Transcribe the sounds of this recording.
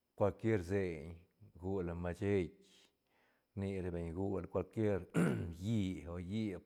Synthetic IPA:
kʷa˧lkje˦ɾze˧ɲ | ɡu˧la˧ma˧t͡ʃe˦k | ɾni˧ɾe˧be˨ɲɡu˧lkʷa˧lkje˦ɾji˦o˧ji˦

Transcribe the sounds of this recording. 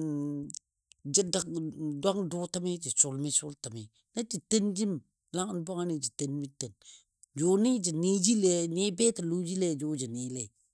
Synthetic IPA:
d͡ʒa˦da˦kda˦ŋdo˦ta˦mi˦d͡ʒi˨sʊ˨lmi˦sʊ˦lta˨mi˨ | na˦d͡ʒi˨tə˦nd͡ʒi˦m | la˦ŋa˨nba˦ŋa˦ni˨d͡ʒi˨tə˨nmi˦te˨n | d͡ʒoni˦d͡ʒi˨ni˦d͡ʒi˦le˨ni˦be˦ta˨lu˦d͡ʒi˦le˨d͡ʒo˦d͡ʒi˨ni˨le˨

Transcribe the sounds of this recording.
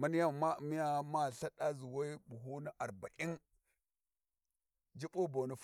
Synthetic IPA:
ma˦n˦ja˦˨ma˦˨mi˦ja˦ma˦˨ɬa˦ɗa˦zu˨wa˦i˦bu˨ɦu˦na˦ʔa˨ɾba˨ʔi˦n | d͡ʒi˦ɓo˦bo˨nu˨f

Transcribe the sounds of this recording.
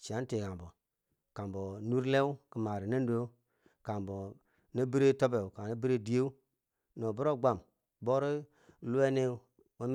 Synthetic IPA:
t͡ʃi˨a˨˦n˦te˨ɡa˨bo˨ | ka˨mbo˨nu˦ɾle˦wu˦ki˨ma˨ɾi˨ne˦ndu˦o˦ | ka˨mbo˨ | ne˦bi˦ɾe˦to˦be˨u˨ka˨ne˦bi˦ɾe˦˨di˦je˦u˦ | no˨bu˦ɾo˦ɡ͡ba˦˨m | bo˦ɾi˦ | lu˦e˦ne˦ | wa˦m˦

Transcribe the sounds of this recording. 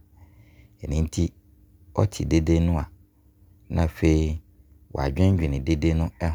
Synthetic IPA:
ɛ˨nĩ˦n̩˦tʰi˦ | ɔ̰˦tʰɪ˨de˦de˦nʊ̃˦a˨ | nã̰˨fe˦i˦ | wʔɔ̰˨a̰˨d͡ʑᶣɛ̃˦d͡ʑᶣɪ˨nɪ̃˨de˦de˦nʊ̃˦ɛ˦

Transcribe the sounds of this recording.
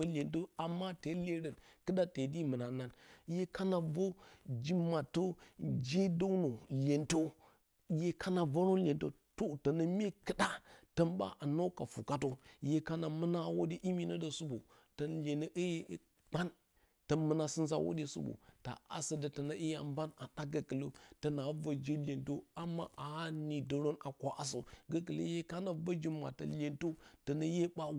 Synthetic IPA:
ə˦lʲe˨nto˦a˨mːa˦te˨˦le˦ɾə˨nkɨ˦ɗa˦te˨di˦mɨ˨na˨na˦nje˦ka˦na˨vo˦d͡ʒi˦ma˨to˦d͡ʒe˦do˦wno˨le˨nto˦ | je˦kʰa˦na˨vo˦ɾo˦n˦lʲe˨nto̰˦ | to˨tə˨nə˦me˦kɨ˦da˦tə˦nba̰˦ʔa˨no˦ka˨fu˨ka˦t̬o˦je˦ka˦na˨mɨ˦na˦wo˦de˦ʔi˦mi˦no˦də˨su˦bo̰˨ | tə˨nle˨nə˦ʔə˦je˦ | ɡ͡ba˦n | tə˨mə˦na˨sɨ˦nza̰˦wo̰˦ɗe˦sṵ˦bo̰˨ta̰˨a̰˨sə˦də˨tɐ˨na˦ʔi˦ja˨mba˦na˨ɗa˦ɡə˨kə˨lo˦tɐ˨na˨˦və˨d͡ʒi˦lʲe˨nto˦a˨mːa̰˦ʔa˨˦ni˨də˨ɾo˦na˨kʷa˨ʔa˨s̬o̰˨ɡə˨˦k̬ə˨lə̰˦je˦ka˦na˨və˦d͡ʒi˦ma̰˨tə̰˨le˨nto˦tɐ˨nə˦je˦ɓa˦

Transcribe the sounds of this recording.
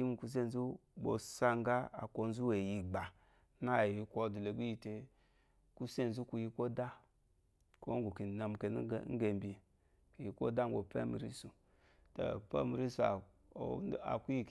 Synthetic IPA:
i˦m˦ku˨s̬e˦n̩˦zu˦bo̰˨sa˦ŋ˦ɡa˦a̰˨ko˧n̩˦zu˦we˨ji˨ɡ͡ba˨ | na˦˨ji˨kʷo˦du˨le˨ɡ͡bi˦ji˧te˧ | ku˦se˦˨n˦zu˦ku˧ji˦ko˦da˦ | ko˦ŋ˦ɡu˨ki˨na˨m˨ke˨n˦˨ŋ̩˦ɡe˨m˦bi˨e˨ | ki˨ji˨˦ko̰˦da˦ŋ˦ɡʷo˨pḛ˦mḭ˨ɾḭ˦su˨ | ta̰˨pḛ˦mi˨ɾi˦su˨a̰˨ | a̰˨ku˦ji˦˨k

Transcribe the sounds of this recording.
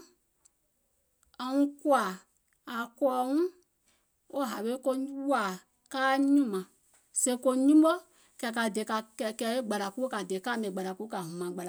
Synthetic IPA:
a˧˦ŋũ˦ku˦a˨ | a˨kɔː˨˦ŋũ˦ | o˦ɦa˨ɓe˦ko˧˦wu˦a˨ | kaː˦ɲũ˦˨mã˨ | se˧˦ko˧ɲũ˦ɓə˦ | kɛ˧˨ka˨de˨ka˧kɛ˨kɛ˧˦e˦ɡ͡ba˨la˨ku˦ka˨de˨˦ka˦mẽ˨ɡ͡ba˨ɾa˨ku˦ka˨ɦũ˨mã˨ɡ͡ba˨la˨

